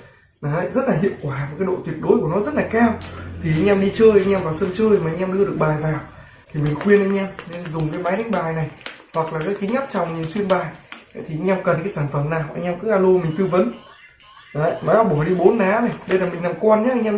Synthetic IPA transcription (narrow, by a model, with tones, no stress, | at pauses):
na˨˦˧zə˦˥t̚laː˨ɦḭ˧˨əwkwaː˧˩a˨˩kaː˨˦jɗo̰˧˨t̪wi˨˩ət̚ɗo˨˦jku˧˩ənɔ˨˦zə˦˥t̚laː˨˩kaː˧wt̪ʰi˨˩ʔa˧jŋ̟ʔa˧mɗi˧t͡ɕəː˧jʔa˧jŋɲa˧mvaː˨˩wsə˧mt͡ɕəː˧jma˨ʔŋ̟a˧mɗɨ˧ɗɨ˨˩ək̚ɓaː˨˩jvaː˨˩w | t̪ʰi˨˩mi˨˩ŋ̟xwi˧ənʔaː˧jɲaː˧mne˧˨zʊ˨˩ŋ͡mkaː˨˦jmaː˨˦jɗa˨˦ŋ̟ɓaː˨˩jna˨˩jhwa˨˩k̚laː˨˩ka˨˦˥ki˨˦ɲə˦˥t̚t͡ɕɔ˧˩wŋ͡mɲi˨˩nswi˧ənɓaː˨˩j̰t̪ʰi˨˩ʔa˧jɲɛ˧mkə˨˩nkaː˨˦jsaː˧˩nfə˧˩mnaː˨˩jw̰ʔa̰˧˦ɲa˧mkɨ˨˥ʔaː˧lo˧mï˨˩ŋ̟t̪ɨ˧və˨˦n | a˨˦ma˨˦a˧wɓɔ˧˩˨ɗi˧ɓo˨˦nːaː˨˦na˨˩jɗə˧jlaː˨˩mï˨˩ŋ̟na˨˩mkwa˧nɲaː˨˦˧jŋ̟ʔaː˧